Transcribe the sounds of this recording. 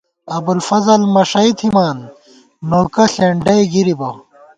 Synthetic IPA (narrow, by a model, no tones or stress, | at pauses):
ɐbulfɐzɐlmɐʂɐit̪ʰhimaːnː | oːkɐɬeɳɖɐjɡiɾibɐ